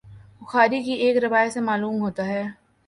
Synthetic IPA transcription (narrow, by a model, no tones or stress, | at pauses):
bʊxaːɾikieːkɾɐʋaːjsemaːluːmɦoːt̪aɦɛː